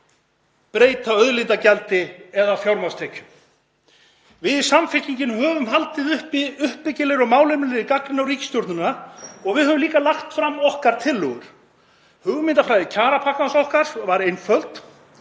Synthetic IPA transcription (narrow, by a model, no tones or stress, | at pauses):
pɾeːjt̪aœðlɪnt̪acɛlt̪ɪɛðafjawɾmawst̪ʰɛːcʏ̥m | vɪðsamfɪt̪iɲcɪnhœːvʏmɦalt̪ɪðʏhpɪʏhpːɪcɪlɪɾɔɣmaːwlʏmɪlɪɾɪkaknɪnawɾiːcɪ̥st̪jɔɾt̪nʏnaɔɣvɪðhœːvʏmliːkalaxt̪fɾamːɔhkaɾ̥t̪ʰɪlːœɣʏɾ̥ | hʏɣʏmɪnt̪afɾaːjðɪcʰaːɾapʰahkansɔhkaɾ̥vaɾejnfœlt̪